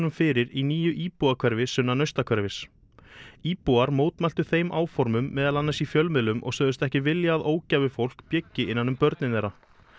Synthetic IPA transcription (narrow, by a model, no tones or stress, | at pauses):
nʏmfɪɾɪɾiniːjʏʔiːpuakʰvɛɾvɪsʏnːanœɥst̪akʰvɛɾvɪs | iːpuaɾmoːwt̪mɛl̥t̪ʏθejmʔaːwfɔɾmʏmːɛːðalanːasifjœlmɪlʏmʔɔ̰ɣsœːðʏst̪ɛhcɪvɪljaːðoːwcavɪfowl̥kpjɛcːɪɪnːanːʏmpœɾt̪nɪnɛɾa